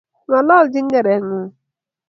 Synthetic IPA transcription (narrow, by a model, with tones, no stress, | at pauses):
ŋɔ˨lɔ˦˨ld͡ʒɪ˦ŋ̩˦ɡe˨ɾe˨ŋʊ˦